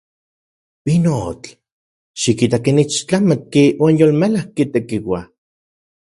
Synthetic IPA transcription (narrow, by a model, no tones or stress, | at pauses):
pinot͡ɬ | ʃikit̪akenit͡ʃt͡ɬamat̪̚kiwaːnjolmelahkit̪ekiwa